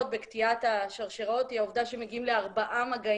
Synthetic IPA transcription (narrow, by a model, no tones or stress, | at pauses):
t̪̚be̞kt̪iat̪aʃaʁʃeʁot̪hiaovd̪aʃemeɡiimleaʁbaʔamaɡa